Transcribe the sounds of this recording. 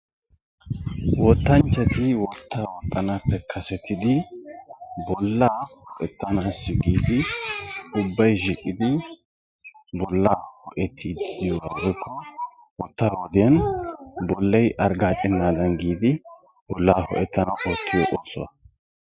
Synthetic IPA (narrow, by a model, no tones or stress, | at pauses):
wɔt̪ːɐnt͡ʃːɐt̪ɪwɔt̪ːaːwɔt̪ʼːɐnapːɛkʰɐsɛt̪ʰːɪd̪ɪ | bɔlːaːhɔʔɛt̪ːɐnaːsɪɡiːd̪ɪ | ʊbːɐjʃɪkʼːɪd̪ɪ | bɔlːaːhɔʔɛt̪ʰːid̪ɪd̪ɪjɔwaːɡɔjkʰːɔ | wɔt̪ːaːwɔd̪ɪjɐnbɔlːɐjʔɐɾɡaːt͡ʃʼɪnːaːd̪ɐnɡiːd̪ɪ | b̥ɔlːaːhɔ̰ʔɛt̪ːɐnɐwʔot̪ʰːɪjɔʔoːt͡sːʊwɐ